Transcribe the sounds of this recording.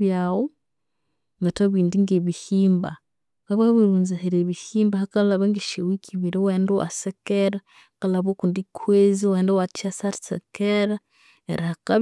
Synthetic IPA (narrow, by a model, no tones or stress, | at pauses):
jawo | ŋɡataβiːndiŋɡeβihiːmba̰ | kaβaβiɾuːnzahiɾeβihiːmbahakalaβeŋɡeʃewikʰiβiɾeweːndoa̰sekeɾa | kalaβokundikʰweziweːndowat͡ʃasaɾsḛkeɾa | ḛɾahaka